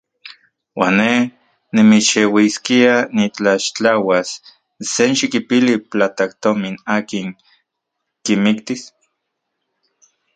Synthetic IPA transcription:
wa̰ːnːeh | nimit͡ʃewiskianit͡ɬaʃt͡ɬawasː | enʃikipiliplat̪akt̪ominaːkiŋ | kimikt̪is

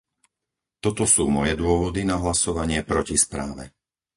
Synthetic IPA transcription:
t̪ɔt̪ɔsuːmɔjɛd̪ʊɔʋɔd̪inaɦlasɔʋaɲɪɛpɾɔcispɾa̰ːʋɛ̰

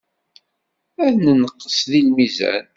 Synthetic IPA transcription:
æðnənəqːə̥sðilmizæ̰n

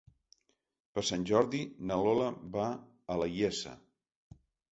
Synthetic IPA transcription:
pəsanʲʒɔɾðinəloləβa | ələjɛsə̰

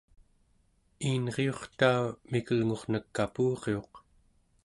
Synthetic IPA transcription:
iːnʁeo̞χt̪aumikəlŋo̞ʁnəkːapuːʁeo̞q

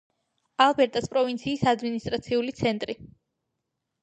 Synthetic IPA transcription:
alˠbɛɾt̪ʼaspʼɾɔvint̪sʰiːsad̪minist̪ʼɾat̪sʰiulit̪sʰɛnt̪ʼɾi

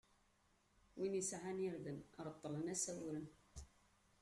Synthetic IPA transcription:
winisaʕaniɾðənɾˤət̪ˤːələnæsæwɾən

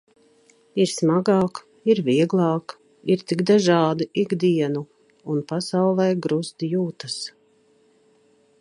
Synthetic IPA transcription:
iɾsmaɡɑːk | iɾviɛɡlˠɑːk | iɾt̪iɡd̪aʒɑːd̪iʔiɡd̪iɛnu | unpasawlˠɛːɡɾust̪juːt̪as

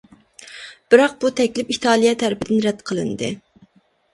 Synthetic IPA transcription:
b̥ɨɾɑq̚b̥ut̪ʰɛkʲlɪpiht̪ʰɑːlˠijɛt̪ʰæɾɪpʰɪd̪ɪnɾɛd̪̥qʰəlˠɨ̰nd̪ɨ

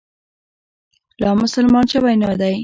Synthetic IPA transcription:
lɑmʊsəlmɑnt͡ʃewajnɑd̪aj

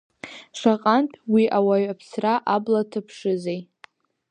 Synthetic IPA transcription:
ʂʷaqʼantʰwiʔawaɥapʰsraʔablatʰɨpʰʂɨzej

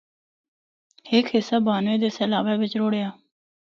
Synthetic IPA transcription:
hɪːkʰhɪsːaːbaːnʋẽːd̪eːsəlaːʋɛːʋɪt͡ʃɾoːɽeːaː

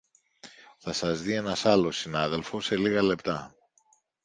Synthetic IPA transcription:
θɐsɐzðie̞nɐsɐlo̞sinɐðe̞lfo̞se̞liɣɐle̞pt̪ɐ

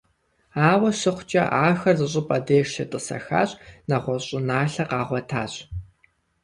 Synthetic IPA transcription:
aːwɐɕɪχʷt͡ʃʼɐ̰ʔaːxɐrzɨɕʼɪpʼɐdeːʃɐtʼɨsɐ̰xa̰ːɕʼnɐʁʷɔɕʼɪnaːɬɐqɑːʁʷɔtʰaːɕʼ

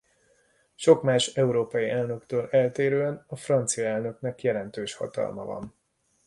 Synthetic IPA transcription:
ʃo̞kmaːʃɛuɾoːpɒjiʔɛlnø̞kt̪øːlɛlt̪eːɾøːɛnɒfrɒnt̪sijɒɛlnø̞knɛkjɛlɛnt̪øːʃhɒ̰t̪ɒ̰lmɒ̰vɒ̰n

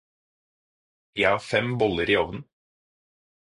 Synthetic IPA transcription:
jæhɑfɛmbɔləɾiːɔʋnn̩

